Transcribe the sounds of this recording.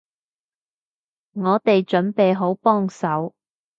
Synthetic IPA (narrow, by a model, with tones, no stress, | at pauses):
ŋɔː˨˧t̪e˨jt͡ʃɵ˨˥npe˨jɦo˨˥wpɔː˥ŋsɐ˨˥w